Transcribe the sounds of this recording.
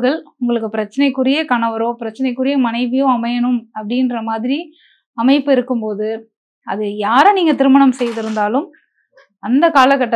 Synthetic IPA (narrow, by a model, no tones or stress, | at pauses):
ɣɐɭʊŋɡɐɭɯkːɯpɪɾɐt͡ʃːɐnɐɪkːɯɾɪjɐkɐɳɐʋɐɾõːpɪɾɐt͡ʃːɐnɐɪkːɯɾɪjɐmɐnɐɪʋɪjõɐmɐjɐnɯmɐpːɐɽɪnɾɐmaːðɪɾi | ɐmɐɪpːɯɪɾɯkːɯmpoːðɯ | ɐðɯjaːɾɐniːŋɡɐt̪ɪɾɯmɐɳɐmsɛjðɯɾɯnd̪aːlɯm | ɐnd̪ɐkaːlɐkːɐʈːɐ